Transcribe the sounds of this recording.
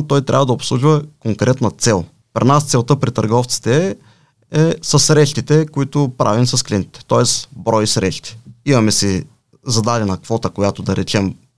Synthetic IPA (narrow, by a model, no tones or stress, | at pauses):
t̪ɔjt̪ɾʲa̰vəd̪ɐopslˠuʒvɐkoŋkɾɛt̪nɐt̪sɛlˠ | pɾʲinast̪sɛlˠt̪ɤpɾit̪ɐɾɡɔft̪si̥t̪ɛ | ɛsɐsɾɛʃt̪it̪ɛkoit̪ʊpɾʔa̰vimsɐsklʲint̪it̪ɛ̥t̪ɔɛsbɾɔjisɾɛʃt̪i̥imɐmɛsi | zɐd̪ad̪ɛnɐkv̥ɔt̪əkojat̪ʊd̪ɐɾɛt͡ʃɛm